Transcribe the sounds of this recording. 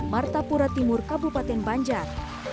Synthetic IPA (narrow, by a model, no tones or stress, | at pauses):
mart̪apuɾat̪imurkabupat̪ɛnbaɲd͡ʒar